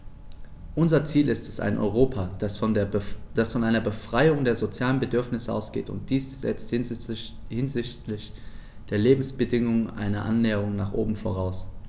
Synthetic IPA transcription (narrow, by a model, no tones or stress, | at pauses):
ʔʊnzɐt͡siːlɪstɛsa̰ɪnʔɔ̰ʏʁ̞oːpʰḁ | d̥asfɔnʔaɪnɐbəfʁ̥aɪʊŋdeːɐzot͡sjaːlənbədʏɐfnɪsəʔa̰ʊsɡ̥ḛːtʊ̰nt̚d̥iːsz̥ɛ̰t͡st | hɪnzɪçtlɪç | d̥eːɐleːbm̩sb̥ədɪŋʊŋʔa̰ɪnɐʔa̰nːɛːəʁ̞ʊŋnaːχʔo̰ːbm̩fo̰ʁ̞aʊs